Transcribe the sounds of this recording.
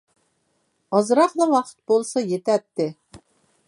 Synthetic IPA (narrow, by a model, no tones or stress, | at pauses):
ɑzɾɑqd̪ɑwɑqə̥t̪̚bolˠsɑjet̪æt̪ːɪ